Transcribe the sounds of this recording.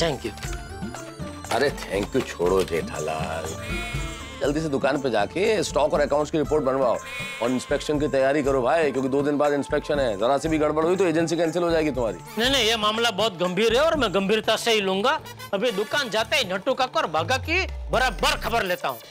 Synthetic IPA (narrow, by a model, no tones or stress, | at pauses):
t̪ʰɛ̃ːŋkju | ɐ̰ɾet̪ʰɛ̰̃ːŋkjut͡ʃʰoːɽod͡ʒḛːʈʰa̰la̰ːl | d͡ʒɐld̪is̬ed̪ʊkaːnped͡ʒa̰ːkesʈɔːkɔːɾɛkãːʊ̃ɳʈskiɾɪpoːɾʈ̚bɐnʋaːo̰ː | ɔːɾɪ̃nspeːkʃənkit̪ɐjaːɾikɐɾobʱaːjkjõːkid̪oːd̪ɪnbaːd̪ɪ̃nspɛːkʃənɦɛzɐɾasebʱiɡɐɽ̤bəɽɦoit̪oeːd͡ʒəns̬ikɛ̃ːnsɪlɦod͡ʒaːeːɡit̪ʊm̤aːɾḭːnɐinɐɦĩjemaːmlabɔːt̪̚ɡɐ̃mbʱiːɾɦɛɔːɾmɛ̃ɡɐ̃mbʱiːɾt̪aseɦilũːŋɡa | ɐbʱid̪ʊkaːnd͡ʒaːt̪aɦinɐʈõkakɔːɾbaːɡakibɐɾaːbəɾkʰɐbəɾleːt̪aɦũː